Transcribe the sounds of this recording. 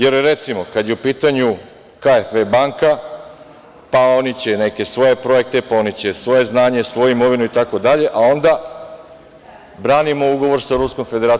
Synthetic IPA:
je̞ɾɾe̞t̪simo̞kad̪jeupiːt̪aɲu | kaefʋebaŋka | pao̞nit͡ɕe̞ne̞ke̞sʋo̞je̞pɾo̞je̞k̚t̪e̞pao̞nit͡ɕe̞sʋo̞je̞znaːɲe̞sʋo̞juimo̞ʋinuit̪ako̞d̪aʎe̞ʔao̞nd̪a | bɾaːnimo̞uɡo̞ʋo̞ɾsaɾusko̞mfe̞d̪e̞ɾaː

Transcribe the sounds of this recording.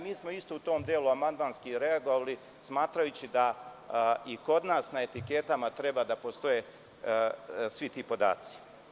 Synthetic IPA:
miːsmoist̪out̪o̞ːmd̪eluamand̪maːnskiɾe̞aɡoʋali | smaːt̪ɾajut͡ɕid̪a | iko̞d̪naːsnae̞t̪ike̞t̪amat̪ɾe̞bad̪apo̞st̪o̞je | sʋit̪iːpo̞d̪a̰ːt̪si̥

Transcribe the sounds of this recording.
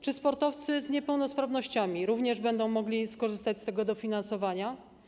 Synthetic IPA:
t͡ʂɘspɔɾt̪ɔft̪sɘzɲɛpɛwnɔspɾavnɔɕt͡ɕamʲiɾuvɲɛʐbɛnd̪ɔ̃w̃mɔɡlʲiskɔʐɘst̪at͡ɕst̪ɛɡɔd̪ɔfʲinansɔvaɲa

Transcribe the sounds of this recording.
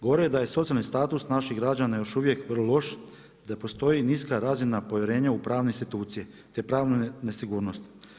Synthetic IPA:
ɡoʋoɾied̪aje̞so̞t̪ijalnist̪aːt̪usnaʃiɣɡɾad͡ʑanajo̞ʃuʋje̞kʋərlolˠo̞ʃ | d̪apo̞st̪o̞jiniskaɾaːzinapo̞ʋjeɾe̞ːɲaupɾaːʋneinst̪it̪uːt̪sije | t̪epɾaːʋnunesiɡuːɾno̞st̪

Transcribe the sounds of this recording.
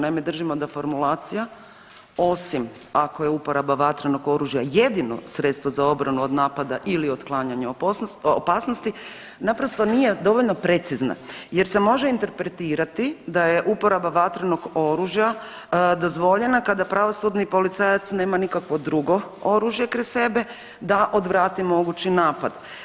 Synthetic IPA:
najmed̪r̩ʒimod̪afo̞ɾmulaːt̪sija | o̞sim | ako̞je̞upo̞ɾabaʋat̪ɾano̞ɡo̞ɾuʒjajed̪ino̰sɾet̪st̪ʋo̞zao̞bɾanuo̞d̪naːpad̪aʔilio̞d̪klˠaːɲaɲaopoopaːsnost̪i | napɾo̞st̪o̞nije̞d̪o̞ʋo̞ʎno̞pɾe̞t̪sizna̰je̞ɾse̞mo̞ʒeint̪e̞ɾpɾet̪iːɾat̪id̪aje̞ʔupo̞ɾabaʋat̪ɾano̞ɡo̞ɾuːʒja | d̪o̞zʋo̞ʎe̞nakad̪apɾaʋo̞sud̪nipo̞lit̪sajat̪sneːmanikakʋo̞d̪ɾuɡo̞o̞ɾuːʒje̞kɾise̞be̞ | d̪aʔo̞d̪ʋɾaːt̪imo̞ɡut͡ɕinaːpad̪

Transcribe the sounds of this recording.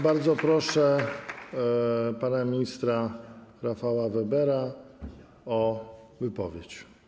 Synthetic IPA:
baɾd̪zɔpɾɔʂɛ | panamʲiɲist̪ɾaɾafawavɛbɛɾa | ɔ | vɘpɔvʲjet͡ɕ

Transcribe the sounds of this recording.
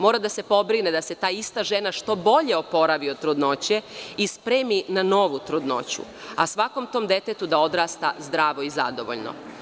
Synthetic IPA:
mo̞ːɾad̪ase̞po̞bɾined̪ase̞t̪aːist̪aʒe̞naʃt̪o̞bo̞ʎe̞o̞po̞ɾaʋiot̪ɾud̪no̞t͡ɕeispɾeːminano̞ʋut̪ɾud̪no̞̰t͡ɕṵasʋako̞mt̪o̞ːmd̪e̞t̪et̪ud̪ao̞d̪ɾaːst̪a̰zd̪ɾaːʋo̞iza̰d̪o̞ʋo̰ʎno̰

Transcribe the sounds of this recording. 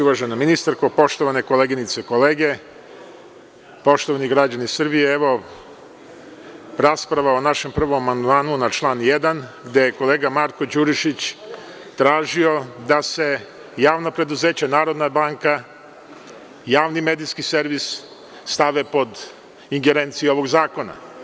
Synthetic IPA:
uʋaʒenominist̪aɾko̞po̞ʃt̪o̞ʋane̞kole̞ɡinit̪seko̞leːɡe̞ | po̞ʃt̪oʋaniɡɾad͡ʑanisr̩bijeeʋo̞ | ɾaspɾaʋaonaʃe̞mpr̩ʋo̞mamand̪maːnunat͡ʃlˠaːnjed̪anɡd̪e̞jeko̞leːɡamaɾkod͡ʑuɾiʃit͡ɕ | t̪ɾaːʒio̞d̪ase̞ | jaːʋnapɾe̞d̪uze̞ːt͡ɕanaːɾo̞d̪nabaːŋka | jaːʋnimed̪iskise̞ɾʋisː | t̪aʋe̞po̞d̪ | iŋɡeɾeːnt̪sio̞ʋo̞ɡzaːko̞na̰

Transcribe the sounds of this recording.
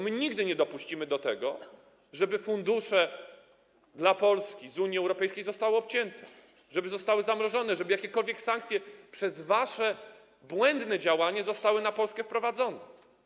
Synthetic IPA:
mɘɲiɡd̪ɘɲɛd̪ɔpuɕt͡ɕimɘd̪ɔt̪ɛɡɔ | ʐɛbɘfund̪uʂɛ | d̪lapɔlskʲizuɲjiɛwɾɔpɛjskʲejzɔst̪awɘɔpt͡ɕɛnt̪ʰɛ | ʐɛbɘzɔst̪awɘzamɾɔʐɔnɛʐɛbɘjakʲɛkɔlvʲjɛksaŋk̚t̪sʲjɛpʂɛzvaʂɛ | bwɛnd̪nɛd͡ʑawaɲɛzɔst̪awɘnapɔlskɛfpɾɔvad̪zɔnɛ

